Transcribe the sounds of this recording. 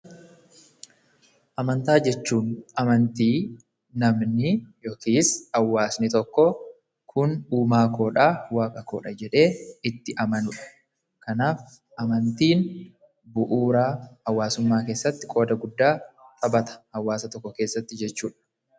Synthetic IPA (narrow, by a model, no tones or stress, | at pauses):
ʔɐmɐnt̪aːd͡ʒɛt͡ʃːuːnʔɐmɐnt̪iː | nɐmnɪjoːkiːsɐwːaːsnɪt̪ɔkːɔ | kʰʊnuːmaːkoːᶑaːwaːkʼɐkoːᶑɐd͡ʒɛᶑe̞ːɪt̪ːɪʔɐmɐnʊᶑɐ̥ | kɐnaːf | ɐmɐnt̪iːn | bʊʔuːɾaːɐwːaːsʊmːaːkeːsːɐt̪ːɪkʼo̞ːd̪ɐɡʊd̪ːaːt̪ʼɐbɐt̪ɐ̥ɐwːaːsɐt̪ɔkːɔke̞ːsːɐt̪ːɪd͡ʒɛt͡ʃːuːᶑɐ̥